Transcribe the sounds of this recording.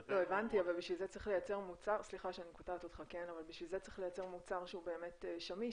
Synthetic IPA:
loevantiavalbiʃvilzet͡sʁiχle̞jat͡se̞ʁmut͡saʁsliχaʃeanikotat̪ot̪χakenavalbiʃvilzet͡sʁiχlejat͡seʁmut͡saʁʃeube̞ːme̞teʃami

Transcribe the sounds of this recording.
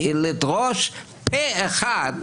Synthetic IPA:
lidʁoʃ | pʰeeχad

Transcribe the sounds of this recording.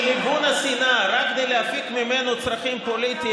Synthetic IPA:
libunasinaɾakkːɡed̪ejleafikmimenot͡sʁafimpolit̪i

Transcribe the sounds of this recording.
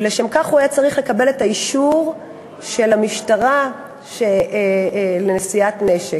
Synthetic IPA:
leʃemkaχuajat͡saʁiχle̞kabe̞le̞taiʃuʁ | ʃe̞lamiʃtaʁa | ʃe | lenesiatne̞ʃe

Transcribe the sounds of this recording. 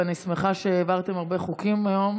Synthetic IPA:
anismeχaʃeːvaʁt̪emaʁbe̞χukimajo̞m

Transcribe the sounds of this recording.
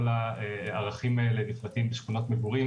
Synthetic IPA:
laeaʁaχimaeleniflatimbeʃχuno̞tmevuʁi

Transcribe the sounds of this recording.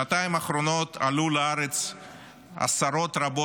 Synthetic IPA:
at̪aimaχɾo̞no̞t̪ʰalulaaɾet͡s | a̰saɾo̞t̪ɾabo

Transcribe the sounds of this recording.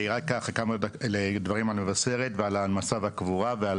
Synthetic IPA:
ʁakːaχkamaaled̪vaʁimalmevase̞ʁet̪vealamasavakvuʁaveal

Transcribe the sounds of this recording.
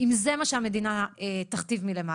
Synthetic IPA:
imzemaʃeame̞d̪inaet̪aχt̪ivmile̞ma

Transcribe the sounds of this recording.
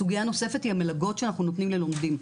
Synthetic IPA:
uɡijano̞se̞fe̞thihamelaɡo̞tʃeanaχnunot̪nimlelo̞md̪im

